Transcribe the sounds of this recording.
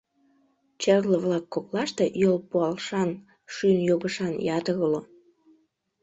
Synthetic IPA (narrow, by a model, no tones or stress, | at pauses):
t͡ɕerləβlɑkːoklɑʃt̪ejolpuɑlʃɑn | ʃynjoɣəʃɑnjɑt̪əɣəlo